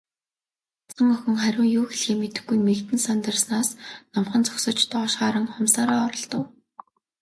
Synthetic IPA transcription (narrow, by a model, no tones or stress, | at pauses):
t͡sə̆ŋœxɵ̆ŋχæɾʲʊːŋjuːxeɮxeːmet̪ɘ̆xɡːujmekt̪ɘ̆nsant̪ə̆rsnaːsnɔmχə̆nt͡sɔ̥ksə̆t͡ɕt̪ʰɔːʃɢaːɾə̆ŋχʊmsaːɾaːɔɾɞ̆ɮt̪ə̆w